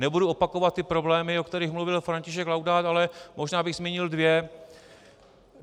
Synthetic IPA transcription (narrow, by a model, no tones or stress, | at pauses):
nɛbuduo̞pakovat̪̚ːɪpɾo̞blɛːmɪokt̪ɛɾiːxmluvɪlfɾaɲcɪʃɛklawdaːt̪alɛmo̞ʒnaːbɪɣzmʲjɛɲɪldvjɛ